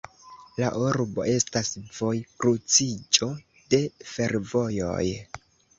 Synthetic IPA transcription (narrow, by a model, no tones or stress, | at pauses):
la̰ʔuɾbo̞̰ʔe̞stasv̥o̞jkɾut͡sid͡ʒo̞ | de̞fe̞ɾvo̞jo̞̰j